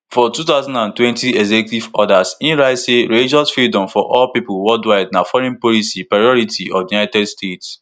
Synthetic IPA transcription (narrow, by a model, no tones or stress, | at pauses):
fɔtutaʊzãndãntwɛ̃ntiɛɡzɛkutivɔdasĩnɹaɪseɹelid͡ʒɔsfɹidɔ̃mfɔʔɔlpipʊwɔldwaɪdnafɔɾɛ̃npɔlisipɹajɔɾitiɔvjunajtɛdstets